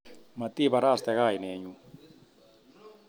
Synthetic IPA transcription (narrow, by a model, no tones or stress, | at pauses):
mat̪ibaɾast̪eɣajneɲu